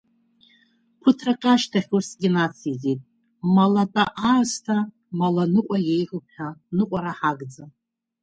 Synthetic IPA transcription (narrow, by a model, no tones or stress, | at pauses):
pʰʊtʰrakʼaʃtʰaχʲusɡʲɪnat͡sʰizitʼ | malatʼaʔastʰa | malanɨqʷʼajejqʷʼʊp̚ʰħanɨqʷʼaɾaħaɡd͡za